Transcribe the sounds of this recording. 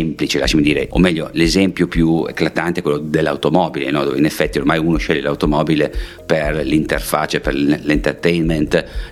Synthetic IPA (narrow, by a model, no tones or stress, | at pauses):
mplit͡ʃela̰ʃːamid̪iːɾeʔo̰mːɛʎːolezɛmpjopjuḛkːlat̪ant̪eɛkwelːod̪elːa̰wt̪omɔːbilḛnɔd̪oːvḛinefːɛt̪ːiormajuːnoʃɛʎːelawt̪omɔːbile | perlint̪erfat͡ʃːaperlent̪ert̪ɛjnment̪